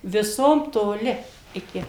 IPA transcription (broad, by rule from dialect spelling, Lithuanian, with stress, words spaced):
ʋʲɪˈsoːm toːˈlʲɪ ɪˈkʲɪ